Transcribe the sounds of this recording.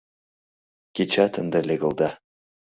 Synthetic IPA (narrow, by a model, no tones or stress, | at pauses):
kʲet͡ʃat̪ʰənd̪əlʲeɡə̆lˠd̪a